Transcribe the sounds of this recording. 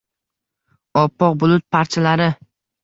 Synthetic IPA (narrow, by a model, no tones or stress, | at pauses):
ɒpʰːɒq̚bʊlˠʊt̪̚pʰaɾt͡ʃʰalaɾɪ